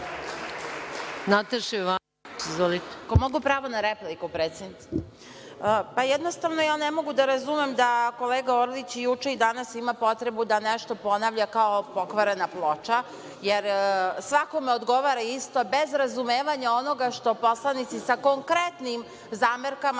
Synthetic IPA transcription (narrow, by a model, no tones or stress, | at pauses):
nat̪eʃiʋa | izʋolit̪e̥komoɡupɾaːʋonaɾeplikupɾet̪sennit̪ː | pajɛd̪no̞st̪aʋnojaːnemo̞ɡud̪aɾazumemd̪ako̞leːɡaoɾlit͡ɕjut͡ʃe̞id̪anasimapo̞t̪ɾe̞bud̪aneʃt̪o̞po̞naʋʎakaopo̞kʋaɾenaplˠo̞t͡ʃa | jeɾsʋako̞meod̪ɡo̞ʋaɾaist̪o̞be̞zɾazumeːʋaɲaonoɡaʃt̪o̞po̞slˠanit̪sisako̞ŋkɾet̪nim | zaːmeɾkam